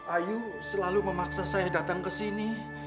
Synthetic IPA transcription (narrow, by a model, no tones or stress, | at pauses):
aju | səlaluməmaksasajadat̪aŋkəsini